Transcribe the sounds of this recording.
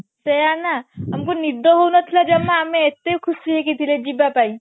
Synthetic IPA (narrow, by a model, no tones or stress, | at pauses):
sejanaɦɐmkonid̪oɦounət̪ʰilad͡ʒɐmːaːmẽːt̪ːekʰusiɦek̬it̪ʰiled͡ʒibapai